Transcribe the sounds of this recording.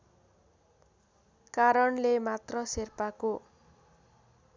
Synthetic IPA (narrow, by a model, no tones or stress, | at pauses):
kaɾʌɳlemat̪rʌserpako